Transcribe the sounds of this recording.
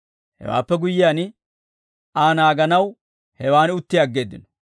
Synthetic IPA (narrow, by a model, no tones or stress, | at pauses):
hɛ̰wa̰ːpːɛɡʊjːɪjaːn | aːnaːɡɐnɐw | hɛwaːnɪʊt̪ːɪjaːɡːe̞ːd̪ːɪ̰nɔ̥